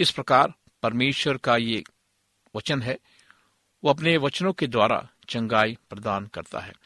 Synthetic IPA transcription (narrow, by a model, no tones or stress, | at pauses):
ɪspɾɐkaːɾ | pɐɾmeːʃwəɾkaje | ʋɐt͡ʃənɦɛː | ʋoɐp̬neʋɐt͡ʃnõked̪waːɾa̰ | t͡ʃɐ̃ŋɡaːipɾɐd̪aːnkɐ̰ɾt̪a̰ɦɛ̰ː